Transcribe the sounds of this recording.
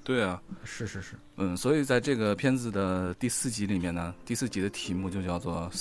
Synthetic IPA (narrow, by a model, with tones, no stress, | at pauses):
t̪we˥˩ɪɐ˨˩ʂɻ̩˥˧ʂɻ̩˥˧ʂɻ̩˥˩n̩˥˩swɔ˧˥i˨˩t͡sa˥˧ɪʈ͡ʂɤ˥˩ɡə˩pʰjɛ˥nd͡zɹ̩˨˩d̪ə˩t̪i˥˧sɹ̩˥˩t͡ɕi˧˥li˨˩mjɛ˥˩nnə˩t̪i˥˧sɹ̩˥˩t͡ɕi˧˥d̪ə˧t̪ʰi˧˥mu˥˧t͡ɕjo˥˧ʊt͡ɕjɑ˥˧ʊt͡swɔ˥˩